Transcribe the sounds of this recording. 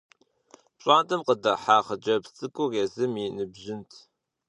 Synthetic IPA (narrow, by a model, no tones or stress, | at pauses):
pɕʼaːntʼɨmqədɐħaːχəd͡ʒɐpt͡sʼɨkʷʼʊreːzɨminɨbʒɪntʰ